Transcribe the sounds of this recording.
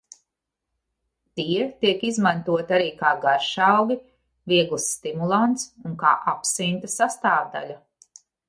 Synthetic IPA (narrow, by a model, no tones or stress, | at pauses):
t̪iːɾt̪iɛkizmant̪uɔt̪aɾiːkaːɡaɾʃawɡi | viɛɡlˠsːt̪imulˠant̪suŋka̰ːʔapsint̪ɐsast̪aːvd̪a̰lʲa